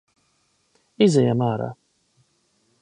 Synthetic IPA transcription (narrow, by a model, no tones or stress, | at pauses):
izɛjamaːɾa̰